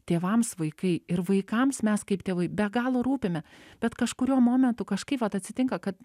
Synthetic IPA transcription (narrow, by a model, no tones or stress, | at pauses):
t̪ʲeːʋɐmsʋɐɪkɐɪɪɾʋɐɪkɐmsmʲɛskɐɪpt̪ʲeːʋɐɪbʲɛɡɑːlˠoɾuːpʲɪmʲɛb̥ʲɛt̪kɐʃkʊɾʲuɔmoːmʲɛnt̪ʊkɐʃkɐɪpʋɐt̪ɐt̪ʲsʲɪt̪ʲɪŋkɐkɐt̪